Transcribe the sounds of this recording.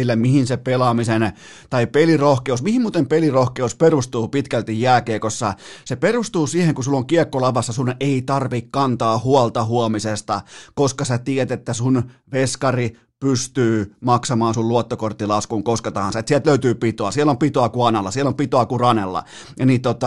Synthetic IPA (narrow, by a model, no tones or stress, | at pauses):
ilːæmihinsepelɑmisen | t̪ɑipelirohkeusmihimuːt̪empelirohkeusperust̪uːpit̪kælt̪ijːæːkeːkosːɑseperust̪uːsiːheŋkusulːoŋkiekːolɑʋɑsːɑsuneit̪ɑrʋikkɑnt̪ɑːhuɑlt̪ɑhuomisest̪ɑkoskɑsæt̪iɛt̪et̪ːæsunʋeskɑri | pyst̪yːmɑksɑmɑːnsulluot̪ːokort̪ːilɑskuŋkosket̪ɑhɑnsɑet̪siælt̪løyt̪yːpit̪oɑsielːompit̪oɑkuɑnelːɑsielːompit̪oɑkurɑnḛlːɑ̰ | jɑniːt̪ot̪ɑ